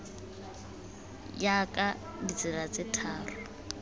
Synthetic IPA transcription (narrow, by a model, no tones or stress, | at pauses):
jakʼa | dit͡sʼɪlat͡sʼɪtʰaːrʊ